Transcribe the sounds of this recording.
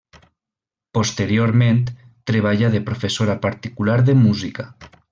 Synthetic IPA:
post̪eɾjoɾmẽnt̪ː | ɾeβ̞aʎaðepɾofesoɾapaɾt̪ikulaɾðemuzika

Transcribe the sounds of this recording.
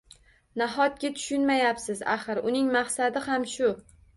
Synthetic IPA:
naɦɒt̪̚ɡʲat̪ʰʊ̥ʃʊnmajapsɪzaχɨɾʊnɪŋmaχsad̪ɪhamʃʊ

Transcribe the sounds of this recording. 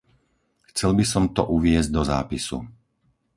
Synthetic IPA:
xt͡sɛlbisɔmt̪ɔ̰ʔuʋɪɛzɟ̚d̪ɔza̰ːpisṵ

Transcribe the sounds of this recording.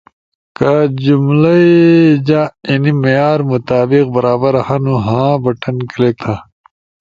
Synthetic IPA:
kad͡ʑumlɐid͡ʑãinimɐjaːɾmut̪aːbiq̚bɐɾaːbɐɾhãnũɦãːbɐʈɐnkɐlek̚t̪ʰãː

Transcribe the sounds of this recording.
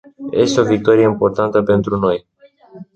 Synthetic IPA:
jʔe̞st̪eo̞vik̚t̪o̞ɾieimpo̞rt̪ant̪əpe̞nt̪ɾuno̞j

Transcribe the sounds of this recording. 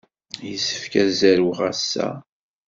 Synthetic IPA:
jəsːə̥fkæzæɾwʁæsːæ̰

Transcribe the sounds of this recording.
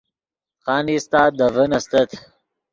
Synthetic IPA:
xaːnist̪aːd̪ɐvənɐst̪ɐt̪ʰ

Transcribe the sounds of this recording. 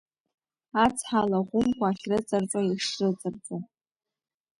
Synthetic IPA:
at͡sʰħalaʁʷʊmkʷʰʼaːχʲrɨt͡sʼɨrt͡sʼaiʂrɨt͡sʼɨrt͡sʼo

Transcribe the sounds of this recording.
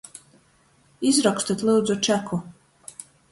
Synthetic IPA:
izɾɔkst̪at̪ʲlˠuːd̪zut͡ʃækʰu

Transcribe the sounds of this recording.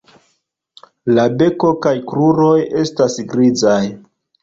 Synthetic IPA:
labe̞ko̞kajkɾuɾo̞je̞stasɡɾizaj

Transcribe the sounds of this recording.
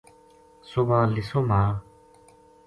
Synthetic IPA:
sopalisʰoma

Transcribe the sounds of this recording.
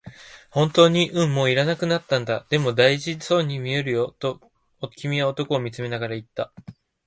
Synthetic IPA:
hõ̞nt̪o̞ːɲ̟iʔɯ̟̃ɴmːo̞ːiɾanakɯ̟nat̪ːãnd̪ad̪̥e̞mo̞d̪aiʑiso̞ːɲ̟imʲie̞ɾɯ̟jo̞t̪o̞ | okʲʰimʲiaot̪o̞ko̞ːmʲit͡sɨme̞naɡaɾait̪ːa

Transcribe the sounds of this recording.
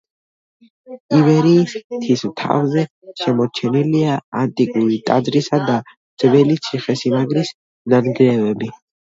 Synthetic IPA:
ivɛɾiːst̪ʰismt̪ʰa̰vzɛ | ʃɛmɔɾt͡ʃʰɛniliaant̪ʼikʼuɾit̪ʼad̪zɾisad̪a | d̪z̥vɛlit̪sʰiχɛsimaɡɾis | nanɡɾɛvɛbi

